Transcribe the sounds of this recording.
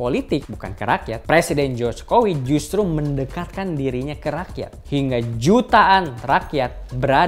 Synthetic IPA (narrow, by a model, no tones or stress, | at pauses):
polit̪ɪk̚buka̰nkəɾakja̰t̪̚pɾesidɛnd͡ʒɔt͡ʃkowid͡ʒust̪ɾuməndəkat̪̚kandiɾiɲakəɾakija̰t̪hiŋɡad͡ʒut̪aʔanrakiat̪̚bəɾa